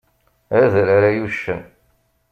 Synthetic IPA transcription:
æðɾaɾæjuʃːən

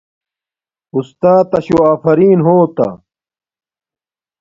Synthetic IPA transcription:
ust̪aːt̪ːɐɕoaːfɐɾiːnɦoːt̪ɐ̰

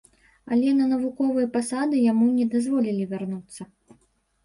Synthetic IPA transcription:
alʲɛnɐnɐvukɔvɨjɐpasad̪ɨjamunʲɛd̪azvɔlʲilʲivʲarnut̪sːɐ

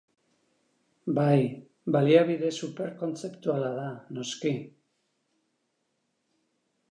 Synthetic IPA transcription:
baj | baliaβiðe̞supe̞ɾko̞nt͡se̞pt̪ualaðano̞ski

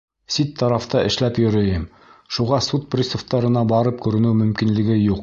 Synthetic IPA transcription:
sit̪ʰːɑɾɑft̪ɑʔɘ̆ʃlæpjɵ̆ɾɘ̆jɘm | ʃuʁɑsut̪̚prʲisŏft̪ɑɾɤ̆nɑbɑɾɤp̚kʉɾɘ̆nɘwmɵ̆mkinlɘ̆ɡɘjuq

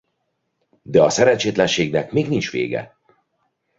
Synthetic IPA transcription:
d̪ɛɒsɛɾɛnt͡ʃeːt̪lɛnʃeːɡnɛkmeːɡnint͡ʃʋḛːɡɛ̰

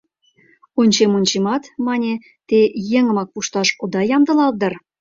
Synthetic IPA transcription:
onʲt͡ɕemonʲt͡ɕemɑt̪mɑnʲe | t̪ejĕŋə̆mɑk̚puʃt̪ɑʃod̪ɑjɑmd̪ə̆lɑld̪ə̆r

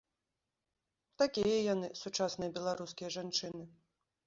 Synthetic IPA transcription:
t̪akʲijɐjanɨsut͡ʂasnɨjɐbʲɛlˠaɾuskʲijɐʐant͡ʂɨnɨ

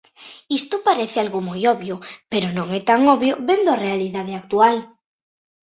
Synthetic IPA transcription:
ist̪opaɾeθealɣomojoβjopeɾonõŋɛt̪aŋoβjoβend̪oarealiðað̞eak̚t̪ual

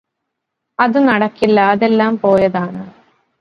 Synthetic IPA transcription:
ɐðɨnɐɽɐkːilːɐːðelːaːmpo̞ːjɐðaːɳaɳ

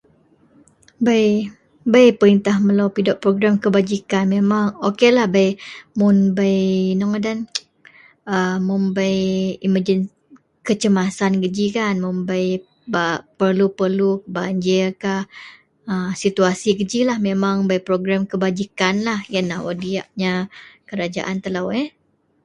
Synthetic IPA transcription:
baj | bajpəɾint̪ahməlawpidaʔpɾoɡɾamkəbad͡ʒikanmemaŋokelahbajmunbajnɔŋədan | əmːumbajiməd͡ʒən | kət͡ʃəmasankəd͡ʒikanmumbaj | bapərlupərluəbaɲd͡ʒəkah | əsit̪uasiɡəd͡ʒilahmemaŋbajpɾoɡɾamkəbad͡ʒikanlahjanːahwadia̰ʔɲakəɾad͡ʒa̰ʔant̪əlawe

